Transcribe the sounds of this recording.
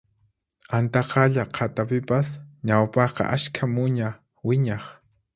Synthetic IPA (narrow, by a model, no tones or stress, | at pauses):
ant̪ɑqʰɑʎaqʰat̪apɪpasɲawpɑχqɑ̰ʔaʃkʰamʊɲa | wɪɲɑχ